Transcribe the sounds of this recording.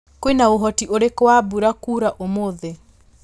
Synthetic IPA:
kwinaoɦɔtiʔoɾekwabuɾakuːɾaʔomoðe

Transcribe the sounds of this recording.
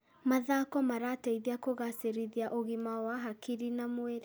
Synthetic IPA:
maðaːkɔmaɾatɛiðiakoɣaseɾiðiaʔoɣimawaɦakiɾinamweɾe

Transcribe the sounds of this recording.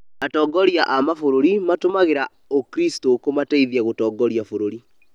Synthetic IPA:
atɔːɡɔɾjaʔamafoɾoɾimatomaɣeɾa | okɾistokomataiðiaɣotɔːɡɔɾiafoɾoɾi

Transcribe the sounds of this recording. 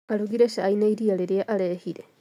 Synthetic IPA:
aluɣiɾeʃainaiɾialeɾjaʔalehiɾe

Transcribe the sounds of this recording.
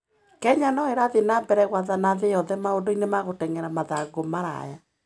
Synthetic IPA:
kɛɲanɔeɾaðenaːmbɛɾɛɣwaðanaðejɔðɛmaondoinemaɣotɛŋɛɾamaðaɡomaɾa̰ja

